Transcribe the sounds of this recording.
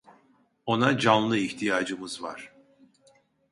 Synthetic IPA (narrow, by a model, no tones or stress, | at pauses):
o̞nad͡ʒanlˠɯiçt̪ʰijaːd͡ʒɯmɯzva̰ɾ̥